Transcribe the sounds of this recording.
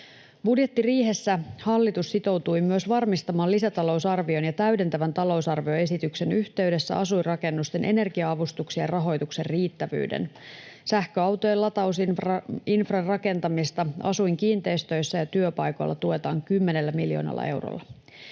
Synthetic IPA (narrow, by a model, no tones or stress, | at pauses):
budje̞t̪ːiriːɦe̞sːæhɑlːit̪ussit̪o̞wt̪ujmyøsʋɑrmist̪ɑmɑːlisæt̪ɑlo̞usɑrʋio̞njɑt̪æyɥde̞nt̪æʋænt̪ɑlo̞wsɑrʋio̞e̞sit̪ykse̞nyçt̪e̞ɥde̞sːæ̰ɑsujrɑke̞nːust̪e̞nʔe̞ne̞rɡiɑɑʋust̪uksiɑrɑɦo̞jt̪ukserriːt̪ːæʋy̰ːdḛnsæhkøɑwt̪o̞jelːɑt̪ɑws | infrɑrrɑke̞nt̪ɑmist̪ɑɑ̰sujŋkiːnt̪e̞ist̪ø̞jsːæjɑt̪yøpɑjko̞̰lːɑ̰t̪ue̞t̪ɑːŋkymːe̞ne̞lːæmiljo̰nɑ̰lːɑ̰ʔe̞̰wro̰lːɑ